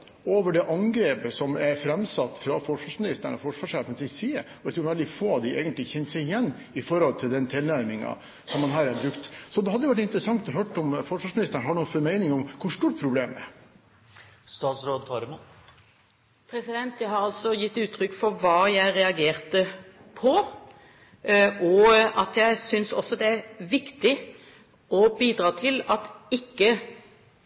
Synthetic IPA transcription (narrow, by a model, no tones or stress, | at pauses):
oːʋəɖɛʔɑŋɡɾeːpəsɔmæɾfɾɛmsɑt̪ːfɾɑfɔʂʋɑːʂmɪnɪst̪əɳɔ̰fɔʂʋɑːʂeːfənsɪsiːəɔæɪt̪ʰɾuːɾʋɛld̪ɪfoːɑʋd̪ɪʔeːɡənt̪lɪçɛnsɛɪɪjɛnː | ɪfɔɾhɔlt̪ʰɪld̪ɛnt̪ʰɪlnæɾmɪŋɑ̰ | sɔmːɑnɦæːɾæɾbɾʉkt̪sɔd̪ɛhɑd̪əjʋæʈ̬ːɪnt̪ɾəsɑŋt̪ɔɦøːʈɔmfɔʂʋɑːʂmɪnɪst̪əɳɦɑɳufɔmæɪnɪŋɔmkʰʊʂt̪uːʈ̚pʰɾʊbleːmɛ̰ | st̪ɑːt̪sɾoːd̪fʰɑɾəmu | pʰɾɛsɪd̪ɛnt̪jæɪhɑɾɑlsɔjɪt̪ːʉːt̪ʰːɾʏkːfɔɾʋɑːjæɪɾɛɑɡeːɾt̪əpʰɔ | ʔɔɑt̪jæɪsʏnsɔ̰sːɔd̪ɛæɾʋɪkt̪ɪ | ɔbiːd̪ɾɑːt̪ʰɪlɑt̪ɪkːə